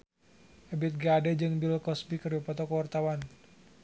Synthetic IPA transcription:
ʔəbɪt̪̚ɡadɛd͡ʒɨŋbilkɔsbikərbipɔt̪ɔkəwart̪awan

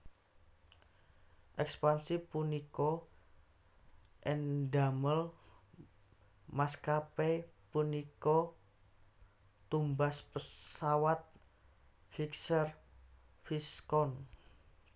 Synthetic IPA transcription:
ʔɛkspansipunikɔ | ʔɛndaməl | maskapepunikɔ | t̪umbaspəsawat̪̚ | fiksər | fiskɔn

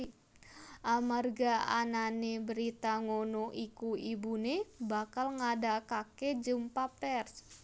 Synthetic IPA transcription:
ʔamarɡaa̰nanebəɾit̪aŋonoʔikuibunebakalŋadakaked͡ʒəmpapɛrs

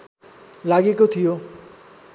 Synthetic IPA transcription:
laɡekot̪ʰijo

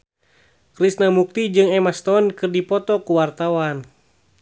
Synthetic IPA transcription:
kɾisnamuk̚t̪id͡ʒɨŋɛmast̪ɔnkɨrdipɔt̪ɔkuwart̪awan

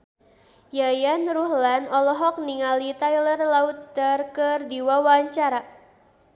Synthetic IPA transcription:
jajanruhlanɔlɔɦɔk̚niŋalit̪ajlərlaut̪̚darkərdiwawaɲt͡ʃaɾa

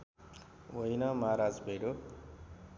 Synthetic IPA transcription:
wojnʌmaɾad͡zbʱeɽo

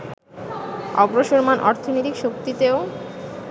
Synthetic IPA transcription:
ɔ̰bɾoʃoɾmanʔɔɾt̪ʰonojt̪ikʃokt̪it̪eo

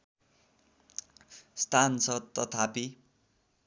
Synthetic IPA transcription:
st̪ansʰʌd̪t̪ːʌt̪ʰapi

